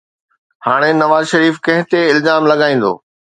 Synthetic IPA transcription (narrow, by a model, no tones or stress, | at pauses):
haːɽ̃enɐʋaːzʃɐɾiːfkɐ̃ɦɪ̃t̪eɪlzaːmlɐɠaːĩːn̆d̪o̰ː